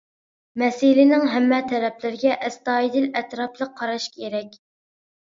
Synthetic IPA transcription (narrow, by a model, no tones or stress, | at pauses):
mɛsɪlɪnɪŋɦɛmːɛt̪ʰɛɾɛpʰlɪɾɪɡʲɛʔɛst̪ɑːid̪ɪlɛt̪ɾɑplˠəqʰːɑɾɑʃkʲʰeɾɛkʲ